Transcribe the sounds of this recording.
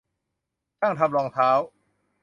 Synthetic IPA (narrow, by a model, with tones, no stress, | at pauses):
kʰaː˥˩ŋt̪ʰa˧mlɔː˧ŋt̪ʰaː˦˥w